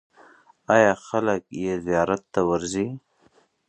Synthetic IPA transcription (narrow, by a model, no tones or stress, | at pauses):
ɑjɑxaləkjezijɑɾat̪ːawaɾzi